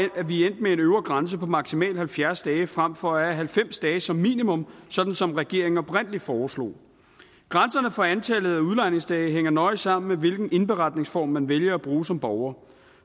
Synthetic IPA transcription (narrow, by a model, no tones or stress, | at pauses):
æʋien̰d̥mee̝nøʊɐɡ̥ʁans̬əpʰɒ̽mɑ̈ɡ̥simɛ̰ːld̥hælfjæɐsd̥ɛːfʁam̰fɒ̽ææɦælfem̰sd̥ɛːsɒ̽mːḭːnimɔ̽msɒ̽d̥n̩sɒ̽mʁɛɡ̥e̝ɐ̰eŋ̩ɒb̥ʁen̰li̥fɒːslɔ̰ː | ɡ̥ʁänsɐnəfɒænt͡sʰɛləð̩ˠæuðˠlɑ̈ɪne̝ŋsd̥ɛːɦeŋ̰ɐnɒ̽ɪsɑ̈m̰n̩meʋe̝lɡ̥n̩e̝nb̥e̝ʁɑ̈d̥ne̝ŋsfɒ̰ːmːænʋeljɐæb̥ʁuːsɒ̽mb̥ɒʊɐː